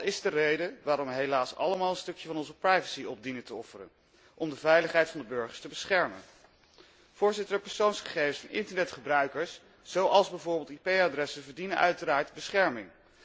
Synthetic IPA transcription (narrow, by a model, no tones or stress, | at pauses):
tɪzdərejdəʋaːɾɔmʋəɦejlaːsɑ̰ləmaːlˠənstɵkjəvɑnɔnzəprɑjvəsiɔb̚dinətəɔfərə̰n | ʔɔmdəvɛjləχɦɛjtfɑndəbɵɹχəɹstəbəsχɛɹmən | v̥ʊːɹzɪtəɹdɛpɛɹsownsχəχejvəsfɑnʔɪ̰ntəɹnɛtχəbrœɥkəɹs | z̥owɑlˠzbɛjvʊːɹbɪːlˠtipejadrɛsənvəɹdinənʔœ̰ɥtəɾaːɹtbəsχɛɹmɪŋ